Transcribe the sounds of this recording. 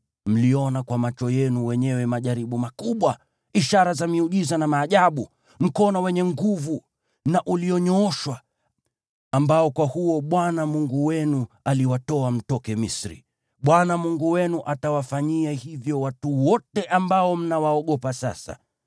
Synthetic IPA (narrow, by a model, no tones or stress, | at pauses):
m̩liɔnakwamat͡ʃɔjɛnuwɛɲɛwɛmaʄaɾiɓumakuɓwa | iʃaɾazamiuʄizanamaːʄaɓu | m̩kɔnɔwɛɲɛŋɡuvu | naʔuliɔɲɔɔʃwa | mbaɔkwahuɔɓwanamuŋɡuwɛnu | aliwatɔam̩tɔkɛmisɾḭ | ɓwanamuŋɡuwɛnuʔatawafaɲiahivjɔwatuwɔtɛʔambaɔm̩nawaɔɠɔpasa̰sa̰